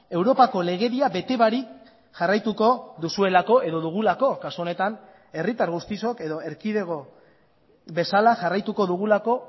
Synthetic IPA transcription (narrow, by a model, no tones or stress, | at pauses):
e̞wɾo̞pako̞le̞ɣ̞e̞ðiabe̞t̪e̞βaɾik | ʝarajt̪uko̞ðusue̞lako̞ʔe̞ðo̞ðuɣ̞ulako̞kasuo̞ne̞t̪an | e̞rit̪aɾɣust̪iso̞ke̞ðo̞e̞ɾkiðe̞ɣ̞o̞ | be̞salaʝarajt̪uko̞ðuɣ̞ulako̞